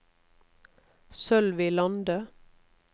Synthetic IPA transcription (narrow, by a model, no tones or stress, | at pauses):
sœlʋiːlɑnd̪ə